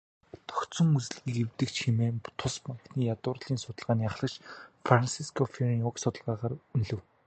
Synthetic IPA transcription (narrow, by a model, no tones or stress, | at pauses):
t̪ʰɔ̥kt͡sɞ̆ŋut͡s̆ɮɣiːkewt̪ɘ̆kt͡ɕxemeːt̪ʰʊspaŋk̪niːjat̪ʊːrɮiːnsʊt̪ə̆ɮʁaːniːaχɮə̆kt͡ɕfransiskʰɔfirɔksʊt̪ə̆ɮʁaːʁaːɾunɮɘ̆w